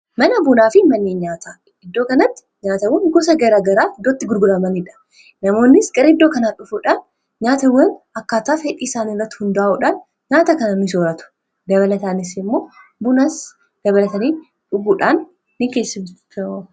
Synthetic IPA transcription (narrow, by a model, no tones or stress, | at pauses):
mɐnɐbʊnaːfɪmɐnːeːɲaːt̪aː | ɪd̪ːo̞ːkɐnɐt̪ːɪ̥ɲaːt̪ɐwɐŋɡɔs̬ɐɡɐɾaːɡɐɾaːd̪ot̪ːɪɡʊɾɡʊɾɐmɐnɪᶑɐ̥ | nɐmo̞ːnːɪskʼɐɾɪd̪ːoːkɐnaːᶑʊfuːᶑaːn | ɲaːt̪ɐwɐnɐkːaːt̪aːfɛᶑiːsaːnirːɐt̪ːɪ̥hʊnd̪ɐaːʔuᶑaːn | ɲaːt̪ɐkɐnɐmɪsoːɾɐt̪ʊ̥ | d̪ɐβɐlɐt̪aːnɪsmːo̞ː | bʊnaːs | d̪̥ɐβɐlɐt̪ɐniː | ᶑʊɡuːᶑaːnː | ɪkeːsːɪm